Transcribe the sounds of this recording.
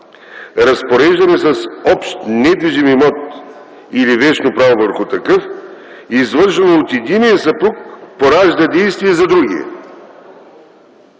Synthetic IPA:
ɾɐspoɾɛʒd̪ɐnɛsɐsɔpʃt̪nɛd̪viʒimimɔt̪ | ilivɛt͡ʃnopɾavovəɾxʊt̪ɐkɤf | izvəɾʃulˠoot̪jɛd̪inijəsɐpuk̚poɾaʒd̪ɐd̪ɛjst̪vijɛzɐd̪ɾuɡ̟ḭɛ̰

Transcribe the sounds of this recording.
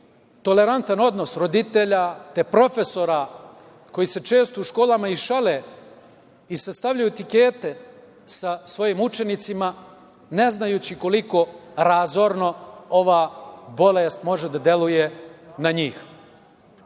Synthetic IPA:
t̪o̞le̞ɾant̪ano̞d̪no̞sɾo̞d̪it̪eʎat̪e̞pɾo̞fe̞so̞ɾa | ko̞jise̞t͡ʃe̞ːst̪ouʃkoːlamaiʃale̞ | isast̪aʋʎajuet̪ike̞ːt̪e̞ | sasʋo̞jimut͡ʃe̞nit̪sima | ne̞znajuːt͡ɕiko̞liko̞ɾazoɾno̞o̞ʋaːbo̞leːst̪mo̞ʒed̪ad̪je̞luje̞naɲiːx

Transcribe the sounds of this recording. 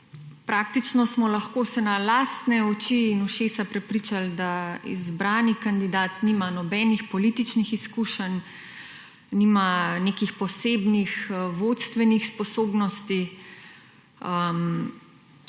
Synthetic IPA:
pɾaːk̚t̪it͡ʃnɔsmɔlɐxkoːsɛnalaːst̪nɛɔt͡ʃiːnuʃeːsapɾɛpɾiːt͡ʃald̪aḭzbɾaːnikand̪id̪aːt̪niːmanɔbɛːnixpɔlit̪it͡ʃnixiskuʃən | nimanekixpɔseːbnixʋot̪st̪ʋɛnixspɔsoːbnɔst̪i | əm

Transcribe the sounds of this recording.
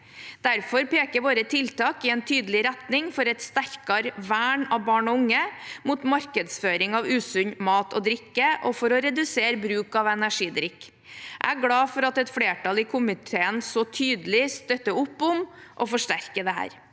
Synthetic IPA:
d̪̥æɾfɔɾpeːkəɾʋoːɾət̪ʰɪlt̪ɑːkɪɛnt̪ʰyːd̪əlɪɾæt̪nɪŋfɔɾɛt̪st̪æɾkɑɾʋæːɳɑʋbɑːɳɔʊŋːəmuːt̪mɑɾkəd̪sføːɾɪŋɑʋʉːsʉɲmɑːt̪ʰɔd̪ɾɪkːəʔɔfɔɾɔɾɛd̪ʉseːɾbɾʉːkɑʋɛnæʂiːd̪ɾɪkː | ʔæ̰æɡɽɑːfɔɾɑt̪ɛt̪fɽeːʈɑlɪkʰʊmɪt̪ʰeːənsɔt̪ʰyːd̪əlɪst̪œt̪ːəʊpːʊmʔɔfɔʂʈæɾkəd̪ɛɦæ̰ːɾ

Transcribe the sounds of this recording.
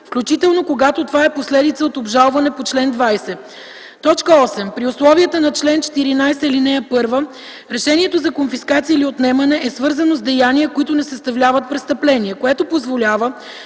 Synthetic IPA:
fklʲut͡ʃit̪ɛlˠnokoɡat̪ot̪ovaɛposlɛd̪it̪səot̪obʒalˠvɐnɛpot͡ʃlɛnd̪vajsɛ | t̪ɔt͡ʃkəɔsɛmpɾiʊslˠɔviət̪ənɐt͡ʃlɛnt͡ʃɛ̥t̪iɾinajsɛilinɛjəpɤɾvə | ɾɛʃɛnʲiɛt̪ozɐkonfiskat̪siəiliot̪nɛmɐnɛʔɛsvɤɾzənozd̪ɛjanijəkoit̪ʊnɛsɐst̪ɐvlʲavət̪̚pɾɛst̪əplɛniɛkoɛt̪opozvolʲavə

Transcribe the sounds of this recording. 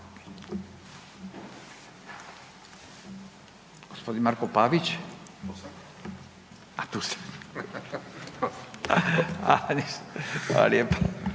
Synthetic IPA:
ɡ̥ospod̪inmaɾkopaʋit͡ɕ | at̪uːse̥ | anisha̰la̰ljepo

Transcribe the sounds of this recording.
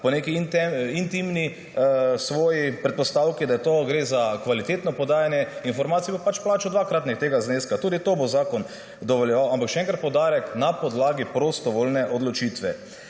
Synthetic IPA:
pɔnekiint̪ɛint̪imni | sʋɔːjipɾɛt̪̚pɔst̪awkid̪ajɛt̪oɡɾeːzakʋalit̪eːt̪nɔpɔd̪aːjanjɛinfɔɾmaːt̪sijɛbopat͡ʃplaːt͡ʃɔd̪ʋaːkɾat̪nikt̪eɡazneskat̪uːd̪it̪obozaːkɔn | d̪ɔʋɔljɛʋawampakʃɛɛ̃ŋkɾat̪pɔwd̪aːɾɛknapɔd̪laːɡipɾost̪ɔʋolnɛʔɔd̪lɔt͡ʃiːt̪ʋɛ

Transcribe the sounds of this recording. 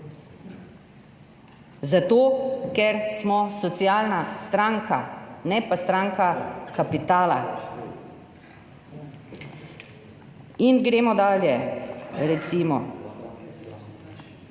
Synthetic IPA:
zat̪oːkɛɾsmɔsɔt̪sijaːlnast̪ɾaːŋkʰanɛpast̪ɾaːŋkakapit̪aːla | inɡɾeːmɔd̪aːljɛɾɛt̪simɔ

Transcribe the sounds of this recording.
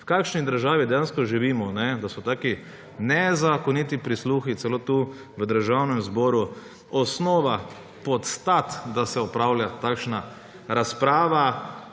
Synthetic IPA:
wkaːkʃnid̪əɾʒaːʋid̪ɛjanskɔʒiʋiːmɔnɛd̪asɔt̪aːki | nɛzakɔnit̪ipɾisluːxit̪sɛloːt̪u | ʋəd̪əɾʒawnɛmzbɔːɾu | ɔsnɔːʋa | pɔt̪st̪at̪d̪asɛɔpɾawljat̪akʃna | ɾaspɾaːʋa

